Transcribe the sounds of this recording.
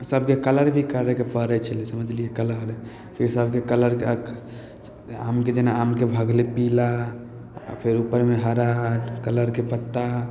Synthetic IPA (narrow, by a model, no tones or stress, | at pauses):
səbʱkekələɾbʱikəɾəkepəɾɛt͡ʃʰəlesəməd͡ʒlijekələɾ | pʰiɾsəbʱkekələɾke | amked͡ʒenaːmkebʱəɡlepila̰ | pʰeɾupəɾmeɦəɾakələɾkepət̪ːa